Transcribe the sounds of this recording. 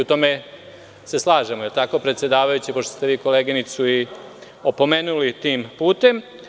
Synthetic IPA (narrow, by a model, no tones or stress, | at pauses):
ut̪o̞ːme̞ | se̞slˠaːʒemojelt̪ako̞pɾet̪sʲje̞d̪aːʋajut͡ɕipo̞ʃt̪ost̪e̞ʋiːko̞leːɡinit̪sui | o̞po̞meːnulit̪iːmpuːt̪e̞m